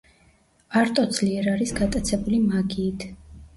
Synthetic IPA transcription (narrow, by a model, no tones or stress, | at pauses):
aɾt̪ʼɔd̪z̥liɛɾaɾisɡat̪ʼat̪sʰɛbulimaɡiːt̪ʰ